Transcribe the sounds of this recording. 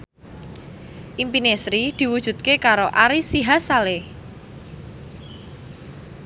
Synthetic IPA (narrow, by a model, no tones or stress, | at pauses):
ʔimpinesɾid̪̥i̤wud̥ʒ̥ṳt̪̚kekaɾoʔaɾisiɦasale